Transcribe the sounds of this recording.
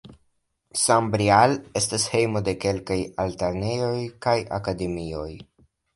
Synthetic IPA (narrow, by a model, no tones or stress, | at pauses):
sambɾiale̞stashe̞jmo̞de̞ke̞lkajalteɾnejo̞jkaja̰kade̞mio̞j